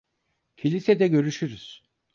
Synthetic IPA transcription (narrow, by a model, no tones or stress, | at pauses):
cʰilʲised̪ɛɟø̞ɾyʃyɾyz̥